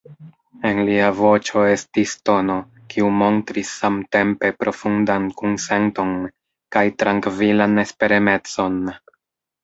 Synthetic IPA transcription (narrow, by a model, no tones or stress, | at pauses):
e̞nliavo̞t͡ʃo̞e̞stisto̞no̞ | kʰiumo̞ntɾisːamte̞mpe̞pɾʔo̞fundankunse̞nto̞n | kajtɾaŋkvilane̞spe̞ɾeme̞t͡so̞n